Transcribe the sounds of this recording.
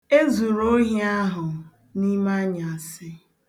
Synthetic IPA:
e˦zu˨ɾo˦ɦi˦a˦ɦʊ˨ | ni˦ma˦ɲa˨a˨sɪ˦

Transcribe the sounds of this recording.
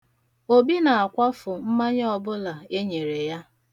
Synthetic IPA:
o˦bi˦na˨a˨kʷa˦fʊ˨m̩˦ma˦ɲ˦ɔ˨bʊ˦la˨e˦ɲe˨ɾe˨ja˦

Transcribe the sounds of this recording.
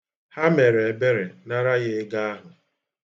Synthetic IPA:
ha˦me˨ɾe˨e˨be˦ɾe˨na˦ɾa˦ɣe˦ɪ˦ɡa˦a˦ɦʊ˨

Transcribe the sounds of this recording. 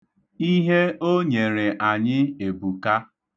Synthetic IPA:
i˦ɦe˦o˦ɲe˨ɾe˨ʔa˨ɲɪ˦e˨bu˨ka˦

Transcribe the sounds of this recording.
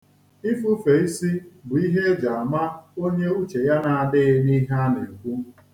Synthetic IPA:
i˦fu˦fe˨i˦si˦bʊ˨i˦ɦe˦d͡ʒa˨a˨ma˦o˦ɲe˦u˦t͡ʃe˨ja˦na˨a˨dɪ˦ni˦ɦa˦ne˨kʷu˦

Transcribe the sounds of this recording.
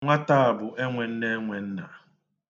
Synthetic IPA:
ŋʷa˦ta˦a˨bʊ˨ʔe˦ŋʷe˨n̩˦ne˦ŋʷe˨n̩˦na̰˨

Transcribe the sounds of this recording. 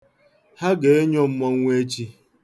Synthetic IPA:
ha˦ɡe˨e˦ɲɔ˦m̩˦mɔ˨ŋ˦ŋʷe˦t͡ʃi˦

